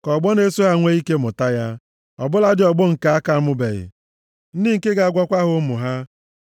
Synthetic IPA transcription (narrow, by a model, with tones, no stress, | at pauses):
kɔ˨ɡ͡bɔ˦ne˦so˦a˨ŋʷe˦i˦ke˦mʊ˨ta˦ja˦ | ɔ˨bʊ˦la˦dɪ˨ɔ˨ɡ͡bʊ˦ŋ̩˨ka˨a˦ka˦mʊ˦be˨ɣɪ̰˨ | n̩˦di˦ŋ̩˨ke˦ɡa˨a˦ɡʷɔ˦kʷa˦ɦʊ˨˦mʊ˨ɦa˦